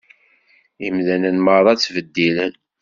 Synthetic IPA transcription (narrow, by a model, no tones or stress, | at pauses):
imðænənməðˤɑt͡sːvəd̪ːilən